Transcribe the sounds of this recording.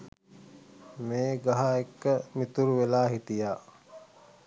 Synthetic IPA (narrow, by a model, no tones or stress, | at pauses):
meːɡaɦaekːəmit̪uɾuʋelaːɦit̪ijaː